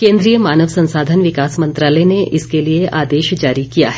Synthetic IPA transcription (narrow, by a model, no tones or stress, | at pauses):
kẽːnd̪ɾijəmaːnəʋsɐ̃nsaːd̪ʱənʋɪkaːsmɐ̃nt̪ɾaːləneʔɪskelieʔʔaːd̪eːʃd͡ʒaːɾikijaɦɛ